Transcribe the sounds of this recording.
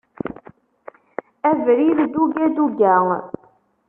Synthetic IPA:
ɛvəɾiɾd̪uɡed̪uɡʲaːŋə̰

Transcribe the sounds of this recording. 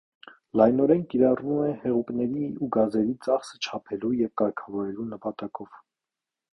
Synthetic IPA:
lɑjnɔɾɛnkiɾɑrvumɛhɛʁupnɛɾiuɡɑzɛɾit͡sɑχsə̥t͡ʃʰɑpʰɛlujɛvkɑɾkʰɑvɔɾɛlunəpɑt̪ɑkɔv̥

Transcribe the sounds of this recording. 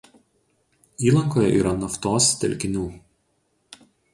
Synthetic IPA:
iːlˠɐŋkoːjɛʔḭːɾɐnɐft̪oːst̪ʲɛ̰lʲkʲɪnʲuː

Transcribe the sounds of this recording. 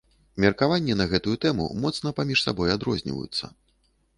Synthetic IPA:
mʲɛrkavanʲːɛnɐɣɛt̪ujut̪ɛmṵmɔt̪snɐpamʲiʂsa̰bɔjad̪ɾɔzʲnʲḭvə̰jṵt̪sːɐ̰

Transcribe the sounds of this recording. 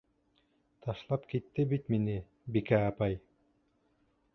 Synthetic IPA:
t̪ʰɑʃlˠɑpkit̪ːɪbit̪minɪ | bikæːpɑj

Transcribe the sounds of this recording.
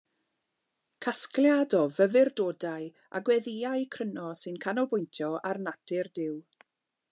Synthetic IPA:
kʰaskljadɔvəvɪrdoːdaj | a̰ɡwɛðiajkʰrənɔsɨnkʰanɔbʊjntʰjɔarnatʰɪrdɪw

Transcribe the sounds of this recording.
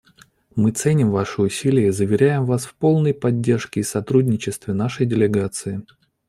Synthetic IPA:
mɨt̪sɛnʲɪmvaʂɨʊsʲilʲɪjəizəvʲɪɾʲæjɪmvasfpo̞lˠnəjpɐdʲːe̞rʂkʲɪːsɐt̪ɾudʲnʲɪt͡ɕɪst̪vʲɪnaʂəjdʲɪlʲɪɡat̪sɨɪ

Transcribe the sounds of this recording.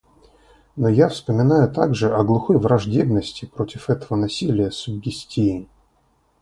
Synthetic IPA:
nojafspəmʲɪnajʊt̪aɡʐɨʔɐɡlˠʊxojvɾɐʐdʲe̞bnəsʲtʲɪpɾo̞tʲɪfɛt̪əvənɐsʲilʲɪjəsʊbʲɡʲɪsʲtʲʰijɪ

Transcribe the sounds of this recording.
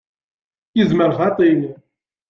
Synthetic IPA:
jəzməɾʁɑt̪ˤil

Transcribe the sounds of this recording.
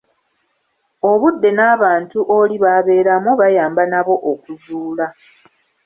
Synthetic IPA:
o̞βudːe̞naːβaːntuʔo̞liβaβe̞ːɾamoβajaːmbanaβo̞ʔokuzuːla

